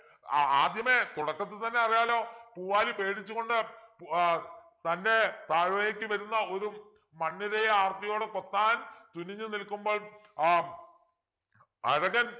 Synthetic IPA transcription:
a̰ːd̪jɐmet̪uɽɐkːɐt̪̬ːɨt̪ɐnːe̞ɐrijaːlo̞ːpuːʋaːlipe̞ːɽit͡ɕːuɣo̞ɳɖɨp | t̪ɐnde̞t̪aːɾʋɐjɐkʲːɨʋɐɾunːɐo̞ɾu | mɐnːiɾejɐaːrt̪ːɐjo̞ːɽekot̪ːaːnt̪uniɲːɨnilkːumbo̞ːɭ | ɐ̰ɻɐɣɐn

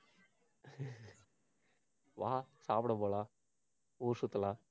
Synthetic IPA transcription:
ʋaːsaːpɽɐboːla | uːɾʂut̪ːɐlaː

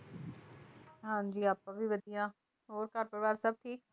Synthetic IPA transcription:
ɦãːnd͡ʑiːaːpɐʋiʋɐd̪ʱijãː | oːɾkaːɾ̚pɐɾʋaːɾsɐb̚ʱʈʰiːk̚

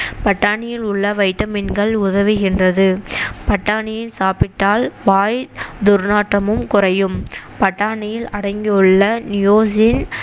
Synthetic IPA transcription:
pɐʈːaːɳɪjɪlʊɭːɐʋɐɪʈːɐmɪnɡɐɭʊðɐʋɪɣɪndrɐðɯpɐʈːaːɳɪjɪnsaːpɪʈːaːlʋaːjd̪ʊɾnaːʈrɐmɯmkʊrɐjɯmpɐʈːaːɳɪjɪlɐɽɐŋɡɪɯɭːɐnɪjoːsɪn

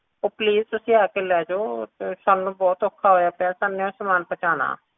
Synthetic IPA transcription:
oːpliːzt̪ʊsĩːaːkeːlɛːd͡ʒoːsaːnũːbɔːt̪oːkʰːaːɦoːjaːpɛːsaːnẽõːsəmaːnpət͡ʃaːna̰ː

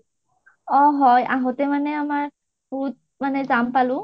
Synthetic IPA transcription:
ɔɦɔjʔaɦɔtɛmanɛamaɹ | but̚ | manɛzampalʊ̃

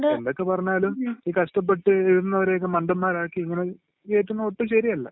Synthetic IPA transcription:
ɖeɳɖo̞kːepɐrɐɲːaːluiːkɐʂʈɐp̬ːe̞ʈːɨeʋiɾnːɐʋɐɾe̞jokːemɐɳɖɐmːaːɾaːkːiiŋːɐne̞ | eːʈːunːoːʈːɨɕɐɾiɐlːɐ̰

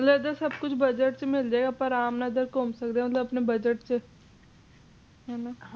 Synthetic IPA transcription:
mət̪ləd̪əɾsəbkʊt͡ɕʰbəd͡ʑəʈ̚t͡ɕemild͡ʒeɡapəɾaːmnad̪əɾkomsəkd̪eamət̪ləbɐpnebəd͡ʒəʈ̚t͡ɕe | ɦana

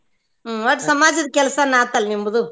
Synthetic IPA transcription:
ʋɐʈsɐmaːd͡ʒɐðkɛlɐsanaːt̪aːlmimbɐðu

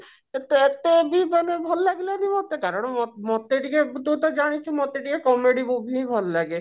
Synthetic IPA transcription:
et̪eet̪ebʱibanebʱɔllaɡelabimɔt̪ekaɾɔɽ̃mɔmɔt̪ːeʈiket̪ut̪̬ɔd͡ʒaɽ̃it͡ʃʰumɔt̪ːeʈikekɔmeɖibobʱibʱɔllaɡe

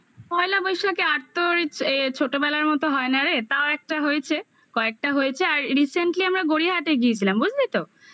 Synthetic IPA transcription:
pɔelabɔjʃakeaɾt̪oɾt͡ɕʰoʈobɛlaɾmɔt̪oɦɔenaɾet̪aoɛk̚ʈaɦoet͡ɕʰe | kɔek̚ʈaɦojet͡ɕʰeaɾːiseɳʈliamɾaɡoɽiɦaʈeɡiet͡ɕʰilambud͡ʑʱd̪it̪o

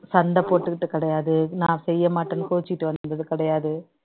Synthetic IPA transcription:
sɐɳɖɐpːoːʈːɯkɪʈːɯkːɪɽɐjaːðɯnãːsɛjːɐmaːʈːɐnkoːt͡ʃːɪkɪʈːɯʋɐnnd̪ɐðɯkɪɽɐjaːðɯ

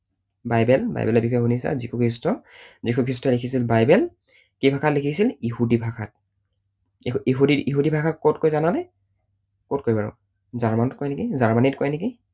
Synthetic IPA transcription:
bajbɛlba̰j̰bɛlɔbixʰɔjɦunisa̰zikʰukʰɹistɔzikʰukʰɹistɔlikʰisilbajbɛl | kibʱakʰatlikʰisilihudibʱakʰat̚ | iɦudiiɦudibʱakʰat̚kotkojzanalɛ | kot̚koɹibaɹɔ̰ | zaɹmanɔt̚kɔjnekizaɹmanitkɔjneki

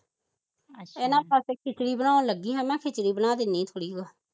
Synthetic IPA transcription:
ɪːnãːpəskʰɪt͡ʃɽiːbənaːõːləɡːiːɦɛ̃ːmɛ̃ːkʰɪt͡ʃɽiːbənãːd̪ɪnːĩːt̪ʰoːɽiːɡoː

